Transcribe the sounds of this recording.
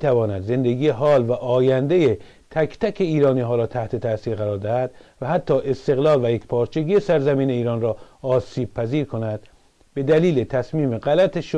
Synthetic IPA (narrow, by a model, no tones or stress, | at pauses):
miːt̪ʰævɒːnæd̪ze̞nd̪eɡijeɦɒːlvæʔɒːjænd̪e̞je | t̪ʰækʰt̪ækʰe̞iːɾɒːniːɦɒːɾɒːt̪ʰæht̪ʰe̞t̪ʰæsiːɾɣæɾɒːɾd̪æhæd̪̥væɦæt̪ʰːɒːʔe̞st̪e̞ɣlɒːlvæjekpʰɒːɾt͡ʃʰe̞ɡiːjesæɾzæmiːneiːɾɒːnrɒːsiːb̥̚pʰæziːɾkʰo̞næd̪̥ | be̞d̪æliːlet̪ʰæsmiːmeɣælæt̪ʰeʃ